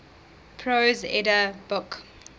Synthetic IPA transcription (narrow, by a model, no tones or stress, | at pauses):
pʰɹozɛ̰dəb̥ʊk